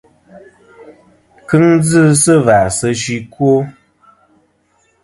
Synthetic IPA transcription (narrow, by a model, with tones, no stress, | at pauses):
kɨ˦ŋd͡zɨ˦sə˦va˨sə˧ʃi˦kwo˦